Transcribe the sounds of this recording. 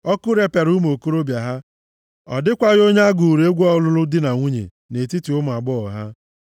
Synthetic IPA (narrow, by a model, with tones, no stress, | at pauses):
ɔ˦kʊ˦ɾe˦pe˨ɾu˦m˨o˨ko˦ɾo˦bja˨ɦa˦ | ɔ̰˨dɪ˦kʷa˦ɣo˦ɲe˦a˦ɡu˨ɾe˦ɡʷɔ˦lʊ˦lʊ˦dɪ˦na˨ŋʷu˦ɲḛ˨ | ne˨ti˦ti˨ʊ˦mʊ˨a˨ɡ͡bɔ˦ɔ˨ɦa˦